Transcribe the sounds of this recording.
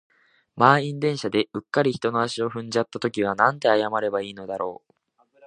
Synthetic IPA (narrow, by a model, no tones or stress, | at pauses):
maːĩnd̪ẽ̞ɰ̃ɕad̪e̞ɯ̟kːaɾʲiçi̥t̪o̞no̞aɕio̞ɸɯ̟̃ɲ̟d͡ʑat̪ːat̪o̞kʲiβ̞anãnt̪e̞ajamaɾe̞baiːno̞d̪aɾo̞̰ː